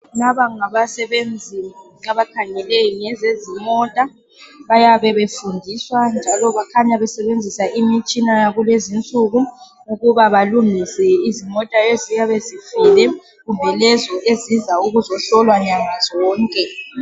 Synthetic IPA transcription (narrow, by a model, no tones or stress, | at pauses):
naβaŋaβasɛβend͡zʱi | aβakʰaŋɛleŋɛzezimɔtʼa | βajaβɛβefundʱiswand͡ʒʱalɔβakʰaɲaβɛsɛβend͡zʱisaʔimit͡ʃʼinajaɣulezint͡sʼuɣu | uɣuβaβaluŋisɛizimɔtʼaezijaβezifilɛ | ɣumbʱɛlɛzɔʔezizauɣuzɔɬɔlwaɲaŋazɔːŋkʼɛ